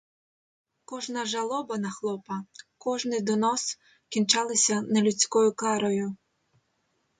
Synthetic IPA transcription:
kɔʒnɐʒɐlˠɔbɐnɐxlˠɔpɐkɔʒnɪd̪ɔnɔs | kʲint͡ʃɑlˠɪsʲɐnɐlʲut͡sʲkɔjʊkɑɾɔjʊ

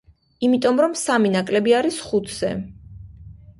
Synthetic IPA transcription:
imit̪ʼɔmɾɔmsaminakʼlɛbiaɾisχut̪ʰz̥ɛ̰

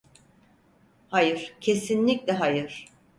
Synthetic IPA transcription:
hajɯɾ̥cʰe̞sinlʲicʲlʲɛɦajɯɾ̥

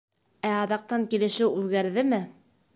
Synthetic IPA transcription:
æɑðɑq̚t̪ɑŋkilɘ̆ʃɘwʉðɡæɾðɘmɘ

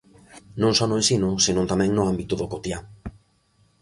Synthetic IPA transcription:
nõŋsɔnʊensinʊsinõnt̪amɛ̃ŋnʊambit̪ʊðokot̪ja

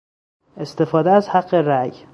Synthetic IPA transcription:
e̞st̪e̞fɒːd̪eæzhæɢːe̞ɾæj

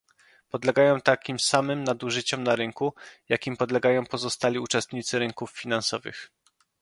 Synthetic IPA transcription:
pɔd̪lɛɡajɔ̃w̃t̪akʲimsamɘmnad̪uʐɘt͡ɕɔmnaɾɘŋkujakʲimpɔd̪lɛɡajɔ̃w̃pɔzɔst̪alʲiut͡ʂɛst̪ɲit̪sɘɾɘŋkufːʲinansɔvɘ̰x

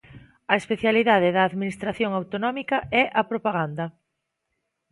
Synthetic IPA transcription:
ɐespeθjaliðaðɪðɐːðminist̪ɾaθjoŋawt̪onɔmikɐɛʔɐpɾopaɣand̪ɐ

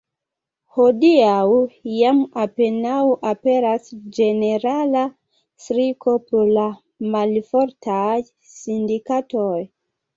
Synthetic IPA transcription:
ho̞diawjamape̞nawʔape̞ɾasd͡ʒe̞ne̞ɾala | sɾikʰo̞pɾola | malfo̞ɾtʰaj | sindikatoj

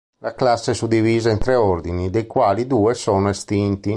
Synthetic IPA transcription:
laklasːesud̪iviːzaint̪ɾɛɔrd̪inid̪ejkwaːlid̪uːesɔːnoest̪int̪i

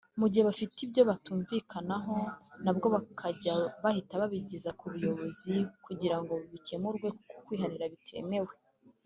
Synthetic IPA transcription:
muɟiheβafitibjo̞βatuːɱvikʰanaɦo̞nabɡo̞βakʰaɟaβahitaβaβiɟezakuβujo̞βo̞zikuɟiɾaŋɡo̞ββice̞muɾɡwe̞kukwiːɦaɾiɾaβitʰe̞̰me̞we̞

